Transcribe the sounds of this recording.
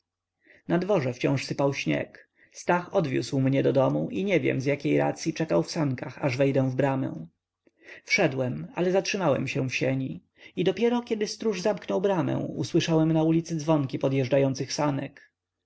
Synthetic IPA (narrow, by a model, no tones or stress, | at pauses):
nad̪vɔʐɛft͡ɕɔ̰̃w̃ʂsɘpawɕɲɛ̰k | st̪axɔd̪vʲjṵswmɲɛd̪ɔd̪ɔmuʔiɲɛvʲjɛ̰mzʲjakʲejɾa̰t̪sʲjit͡ʂɛkawfsaŋkaxaʐvɛjd̪ɛw̃vbɾamɛ̰w̃ | fʂɛd̪wɛma̰lɛzatʂɘmawɛ̰mɕɛ̃w̃fɕɛɲi | id̪ɔpʲjɛɾɔkʲɛd̪ɘst̪ɾuʐzamknɔwbɾamɛ̰̃w̃ṵswɘʂawɛmnaulʲit̪sɘd̪zvɔŋkʲipɔd̪jɛʐd͡ʐajɔnt̪sɘxsanɛk